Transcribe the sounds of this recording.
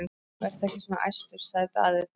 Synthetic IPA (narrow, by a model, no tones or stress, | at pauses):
vɛr̥t̪ɛhcɪsɔna̰ʔa̰jst̪ʏɾ̥saðɪt̪a̰ːðɪ